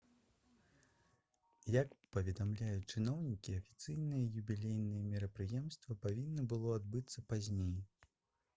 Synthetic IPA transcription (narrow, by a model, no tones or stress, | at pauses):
jakpɐvʲɛd̪amlʲajut͡ʂɨnɔwnʲikʲiɐfʲi̥t̪sɨjnɨjɐjubʲilʲejnɨjɐmʲɛɾɐpɾɨjɛmst̪vɐpavʲinːɐbɨlˠɔad̪bɨt̪sːɐpazʲnʲej